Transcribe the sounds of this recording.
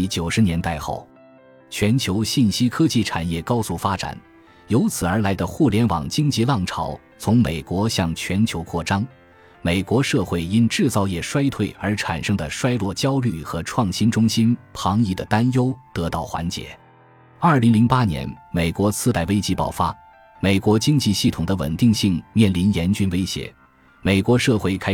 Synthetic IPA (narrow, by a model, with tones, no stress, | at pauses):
t͡ɕjo˨˩ʊʂɻ̩˧˥njɛ˧˥nt̪a˥˧ɪxo̰˥˩ʊ | t͡ɕʰɥɛ˧˥nt͡ɕʰjo˧˥ʊɕi˥˩nɕi˥kʰɤ˥t͡ɕi˥˩ʈ͡ʂʰa˨˩njɛ˥˩kɑ˥ʊsu˥˩fa˥ʈ͡ʂa̰˨˩n | jo˧˥ʊt͡sʰɹ̩˨˩ə˞˧˥la˧˥ɪd̪ə˧xu˥˩ljɛ˧˥nwɑ̰˨˩ŋt͡ɕi˥ŋt͡ɕi˧˥˧lɑ˥˩ŋʈ͡ʂʰɑ˧˥ʊ | t͡sʰʊ˧˥ŋme˨˩ɪkwɔ˧˥ɕjɑ˥˩ŋt͡ɕʰɥɛ˧˥nt͡ɕʰjo˧˥ʊkʰwɔ˥˩ʈ͡ʂɑ˥ŋ | me˨˩ɪkwɔ˧˥ʂɤ˥˧xwe˥˩ɪi˥nʈ͡ʂɻ̩˥˧t͡sɑ˥˧ʊjɛ˥˩ʂwa˥ɪt̪ʰwe˥˩ɪə˞˧˥ʈ͡ʂʰa̰˨˩nʂɤ˥ŋd̪ə˨ʂwa˥ɪlwɔ˥˩t͡ɕjɑ˥ʊly˥˩xɤ˧˥ʈ͡ʂʰwɑ˥˩ŋɕi˥nʈ͡ʂʊ˥ŋɕi˥npʰɑ˧˥ŋi˥˩d̪ə˩t̪a˥njo˥ʊt̪ɤ˧˥t̪ɑ˥˩ʊxwa̰˧˥nt͡ɕjɛ̰˧˥˦ | ɐ˞˥˩li˧˥ŋli˧˥ŋpa˥njɛ̰˧˥nme˨˩ɪkwɔ˧˥sɹ̩˥t̪a˥˩ɪwe˥ɪt͡ɕi˥pɑ̰˨˩ʊfa˥ | me˨˩ɪkwɔ˧˥t͡ɕi˥ŋt͡ɕi˥˧ɕi˥˩t̪ʰʊ˨˩ŋd̪ə˦wə̰˨˩nt̪i˥˧ŋɕi˥˩ŋmjɛ˥˩nli˧˥njɛ˧˥nt͡ɕy˥nwe˥ɪɕjɛ̰˧˥ | me˨˩ɪkwɔ˧˥ʂɤ˥˧xwe˥˩ɪkʰa˥